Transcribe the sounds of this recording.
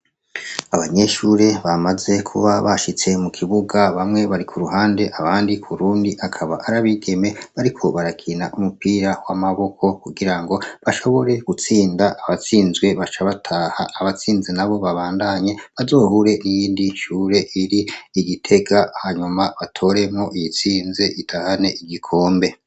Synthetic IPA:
aβaɲe̞ʃuɾe̞βamaze̞kʰuβaβaʃit͡se̞mukʰiβuɡaβamŋe̞βaɾikʰuɾuɦaːnde̞ʔaβaːndikʰuɾuːndiʔakʰaβaʔaɾaβiɡe̞me̞βaɾikʰo̞βaɾakʰina̰ʔumupiːɾawamaβo̞kʰo̞kuɡiɾaŋɡo̞βaʃo̞βo̞ɾe̞ɡut͡siːndaʔːβat͡siːnzɡwe̞βat͡ʃaβatʰahaːβat͡siːnzenaβo̞βaβaːndaɲe̞βazo̞ːhuɾe̞nijiːndinʃuːɾe̞ʔiɾiːɡitʰe̞ɡahaɲumaβatʰo̞ɾe̞mŋo̞ʔijit͡siːnze̞ʔitʰahane̞ʔiɡikʰo̞ːmbe̞

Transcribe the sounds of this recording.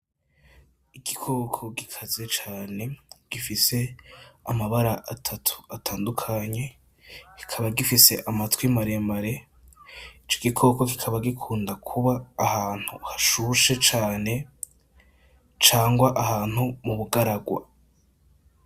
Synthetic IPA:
iɡikʰoːkʰoɡikʰaze̞t͡ʃaːne̞ɡ̥ifise̞amaβaɾaʔatʰatʰu̥atʰaːndukʰaɲe̞ | ɡ̥i̥kʰaβaɡifise̞ʔamatwimaɾe̞mbaɾe̞ | it͡ʃoɡikʰo̞ːkoɡi̥kʰaβaɡikʰuːndakʰuβaːhaːn̥huhaʃuʃe̞t͡ʃaːne̞ | t͡ʃaːŋɡwaʔahaːn̥humuβuɡaɾaɡwa̰

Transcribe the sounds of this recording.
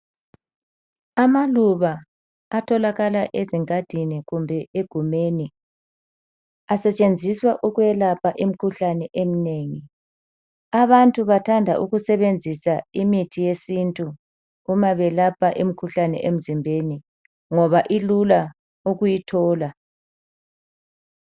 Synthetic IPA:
amaluβaː | tʰɔlaɣalaʔeziŋʼad̥ʱiniɣumbʱɛeɡ̥ʱumeːni | asɛt͡ʃʼend͡zʱiswaʔuɣujɛlapʰaʔim̩kʰuɬanɛʔem̩neːŋi | aβantʼuβatʰandʱa̰ʔuɣusɛβend͡zʱisaimitʰijesintʼu | umaβɛlapʰaʔim̩kʰuɬanɛ̰ʔem̩zimbʱeni | ŋɔβaʔilula | uɣujitʰɔːla

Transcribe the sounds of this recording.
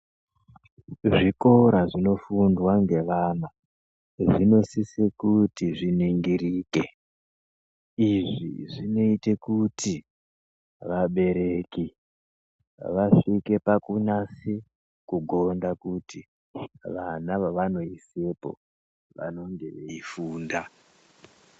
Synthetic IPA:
ʐiko̞ɾaʐino̞fundwaŋɡe̞ʋana | ʐino̞sisekutiʐiniŋɡiɾiːke | iʐḭʐino̞itekutʰi | ʋaɓe̞ɾe̞ki | ʋaʂike̞pakunase | kuɡʱo̞ndakuti | ʋanaʋaʋano̞isepo̞̰ | ʋa̰no̞ŋɡe̞ifuːnda

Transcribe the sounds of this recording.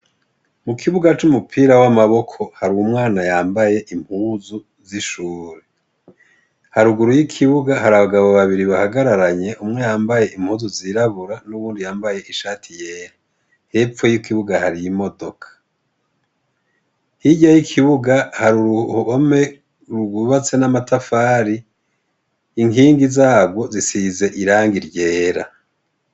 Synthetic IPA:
mukʰiβuɡat͡ʃumupʰiːɾawamaβo̞kʰo̞haɾuwumŋaːnajaːmbaje̞ʔim̥huːzu | ziʃuːɾe | haɾuɡuɾujikʰiβuɡahaɾaβaɡaβoβaβiɾiβahaɡaɾaɾaɲe̞ʔumŋe̞jaːmbaje̞im̥huːzuziɾaβuɾanuβuːndijaːmbaje̞ʔiʃaːtʰije̞ːɾa | he̞p͡fo̞jukiβuɡahaɾijimo̞do̞kʰḁ | hiɟajikʰiβuɡahaɾuɾuhβome | ɾuɡuuβat͡se̞namatʰafaːɾi | ŋiːŋɡizaːɡwo̞zisize̞ʔiɾaːŋɡiɾɟe̞ːɾa̰

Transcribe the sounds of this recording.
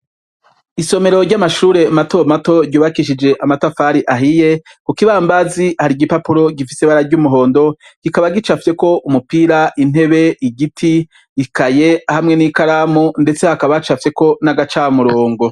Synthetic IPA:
iso̞me̞ɾo̞ɾɟamaʃuːɾe̞mato̞mato̞ɾɟuːβakiʃid͡ʒe̞ʔamatafaɾiʔaɦije̞ | kukiβaːmbazihaɾiɡipapuɾo̞ɡifiseβaɾaɾɟumuɦo̞ːndo̞ɡ̥ikaβaɡit͡ʃafje̞ko̞ʔumupiɾaʔin̥e̞βe̞iɡitʰi | ikaje̞hamŋe̞nikaɾamunde̞t͡se̞hakaβat͡ʃafje̞ko̞naɡat͡ʃaːmuɾoːŋɡo̞

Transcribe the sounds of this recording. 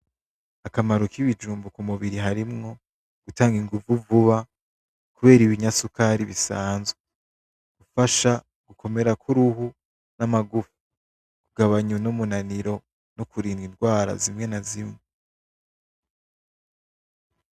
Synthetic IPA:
akamaɾokiβid͡ʒuːmbukumuβiɾiɦaɾimŋo̞ | ɡ̥utaːŋɡiŋɡuvuvuβa | kuβe̞ːɾiβiɲasukaɾiβisaːnzwe | ɡ̥ufaʃa | ɡ̥ukʰo̞me̞ɾakʰuɾuhu | namaɡufu̥u̥ | kuɡaβaɲunumunaniɾo̞ | nokuɾiːnɡinɡwaːɾa̰zimŋe̞nazimŋe

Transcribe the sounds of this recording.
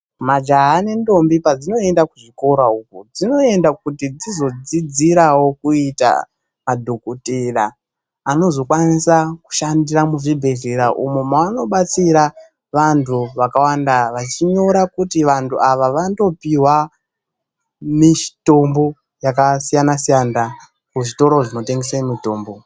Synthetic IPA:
mad͡ʒaɦane̞ndo̞mbipad͡zino̞e̞ndakuʐiko̞ɾaukud͡zino̞e̞ndak̚utid͡zizo̞d͡zid͡ziɾawo̞kuita̰ | madʱokuteɾaː | no̞zo̞kwanisaku̥ʃandiɾamuʐibʱe̞ɮeɾaʔṵmomaano̞ɓat͡siɾa | ʋantʰuʋakawandaʋat͡ʃiɲo̞ɾakutiʋantʰuaʋaʋando̞piwa | miʃto̞mbo̞ | jakasijanasijana | kuʐito̞ɾo̞ʐino̞te̞ŋɡesamito̞ːmbo̞

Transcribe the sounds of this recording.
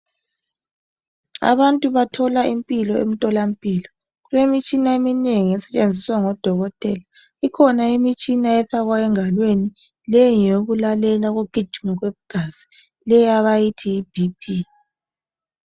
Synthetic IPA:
a̰βantʼuβatʰɔlaimpʼilɔḛm̩tʼɔlam̩pʼiːlɔ | ɣulemit͡ʃʼinaemineŋiɛsɛ̥t͡ʃʼend͡zʱiswaŋɔd̥ʱɔɣɔtʼɛla | ikʰɔnaimit͡ʃʼinaɛθaɣwaɛŋalweni | lɛjoɣulalɛlaɣoɡ̥ʱi̥d͡ʒ̥ʱmɔɣweβuɡ̥ʱaz̥i̥ | lɛjaβajitʰiːb̥ʱipʰi

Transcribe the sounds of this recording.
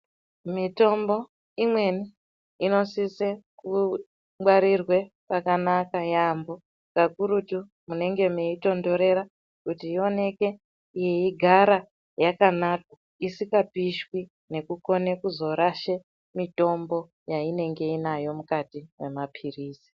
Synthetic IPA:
mito̞mbo̞ | imwe̞ni | ino̞siseku | waɾirwe̞ | pakanakajambo̞ | kakuɾutu | mune̞ŋɡe̞meito̞ndo̞ɾe̞ɾa | kutiio̞ne̞ke̞ | ijeiɡʱaɾa | jakanaka | isikapiʃwi | ne̞kuko̞ne̞kuzo̞ɾaʃe | mito̞mbo̞ | jaine̞ŋɡe̞inajo̞mukatiwe̞̰mapʰiriːsi̥

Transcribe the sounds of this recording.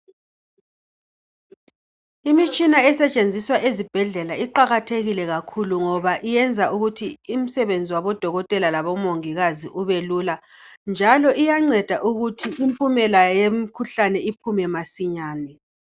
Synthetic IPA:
imit͡ʃʼinaɛsɛt͡ʃʼend͡zʱiswaʔezib̥ʱɛɮɛlaiǃaɣatʰeɣilɛɣakʰuluŋɔβaʔijɛnd͡zʱaʔuɣutʰiim̩sɛβend͡zʱiwaβɔd̥ʱɔɣɔtʼɛlalaβɔmoŋiɣaziʔuβeluland͡ʒʱalɔʔijaŋ͡ǀɛd̥ʱaʔuɣutʰiimpʼumɛlajjemikʰuɬanɛipʰumɛmasiɲaːnɛ

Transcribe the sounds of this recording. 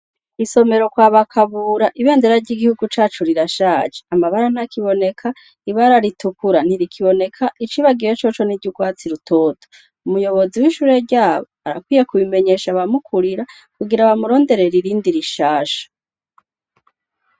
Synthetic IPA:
iso̞me̞ɾo̞kwaːβakʰaβuːɾaʔiβe̞ːndeɾaɾɟiɡihuɡut͡ʃaːt͡ʃoɾiɾaʃaːd͡ʒeamaβaɾan̥akiβo̞ne̞kʰa | iβaɾaɾitukuɾan̥iɾikʰiβo̞ne̞kʰaʔit͡ʃiβaɡijot͡ʃot͡ʃo̞niɟukwaːt͡siɾutʰo̞ːto̥ | umujo̞βo̞ziwiːʃuːɾe̞ɾɟaːβoa̰ɾa̰kwiːjekuβime̞ɲe̞ːʃaβamukʰuɾiɾa | kuɡiɾaβamuɾo̞ːnde̞ɾe̞ɾiɾiːndiɾiʃaːʃḁ

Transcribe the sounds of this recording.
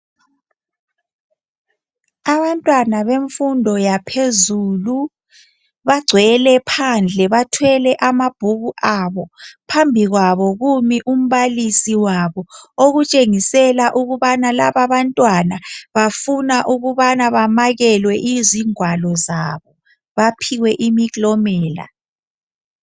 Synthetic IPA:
aβantʼwanaβeɱfundʱɔjapʰezuːlu | βaɡ͡ǀʱwɛlɛpʰand͡ɮʱɛβatʰwɛlɛʔamab̥ʱuɣuʔaβɔpʰambʱiɣwaβɔɣumiʔum̩βalisiwaβɔoɣut͡ʃʼeŋisɛlaʔuɣuβanalaβaβantʼwanaβafunaʔuɣuβanaβamaɣɛlwɛʔiziŋwalɔzaβɔ | βapʰiwɛʔimikʼlɔmɛːla̰

